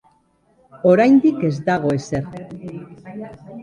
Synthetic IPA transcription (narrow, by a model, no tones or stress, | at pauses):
o̞ɾajnd̪ike̞zd̪aɣ̞o̞e̞se̞ɾ